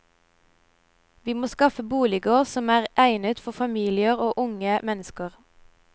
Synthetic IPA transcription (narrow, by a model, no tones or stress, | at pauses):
ʋiːmoːskɑfəbuːlɪɡəʁsɔmæːʁʔæɪnət̪fɔfɑmiːlɪəʁoːʔʊŋəmɛnəskəʁ